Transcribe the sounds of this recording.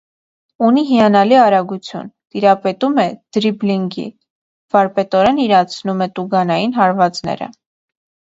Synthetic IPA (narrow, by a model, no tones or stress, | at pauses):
uniɦijɑnɑliɑɾɑɡut͡sʰjṵnt̪iɾɑpɛt̪umɛd̪̥ɾibliŋɡḭ | v̥ɑɾpɛt̪ɔɾɛniɾɑt͡sʰnumɛt̪uɡɑnɑjinɦɑɾvɑt͡snɛ̰ɾə̰